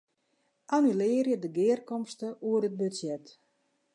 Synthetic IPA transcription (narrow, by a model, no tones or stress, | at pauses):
ʔanylɪərjədəɡɪːrkɔmstəuərdət̚bøsjɛt